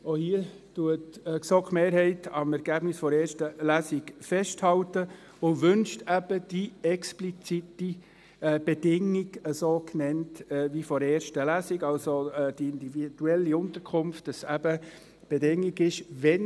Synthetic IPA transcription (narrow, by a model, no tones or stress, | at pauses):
ohiə | tuətːksɔkχmeːɾhɛɪtʰɑmɛɾɡ̥æbnɪsfɔɾɛːɾʃtəlæsikfɛʃthɑltə | ʊʋʏnʃtæb̥əd̥iɛksplit͡siti | b̥ed̥ɪŋːiɡəsoːknɛntɛvifɔɾɛːʃtəlæsiɡɑlsod̥iɪndivid̥uɛlːiʊnt̪əɾkʰʊmftːɑsæb̥ə | b̥edɪŋiɡɪʃʋɛn